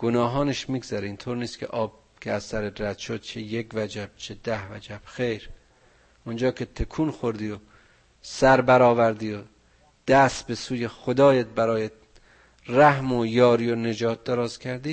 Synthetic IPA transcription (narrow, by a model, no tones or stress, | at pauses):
ɡ̥onɒːɦɒːneʃmiːɡzæɾeiːnt̪ʰoːɾniːst̪kʰḛʔɒːb̥̚ | kʰeæzsæɾet̪ɾæd̪ʃod̪̥̚t͡ʃʰejekvæd͡ʒæb̥̚t͡ʃʰed̪æhvæd͡ʒæb̥xejɾ | ʔond͡ʒɒːkʰe̞t̪ʰekʰuːnxoɾd̪iːjo | sæɾbæɾɒːvæɾd̪iːo | d̪̥æst̪be̞suːjexod̪ɒːjet̪̚bæɾɒːjet̪̚ | ræhmojɒːɾiːone̞d͡ʒɒːt̪̚d̪eɾɒːzkʰæɾd̪iː